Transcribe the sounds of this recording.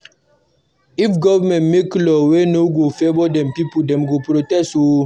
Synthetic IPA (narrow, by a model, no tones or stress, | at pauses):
ifɡɔvɛmɛ̃ntmeklɔwenoɡofebɔdɛ̃mpipudɛ̃mɡopɾotɛso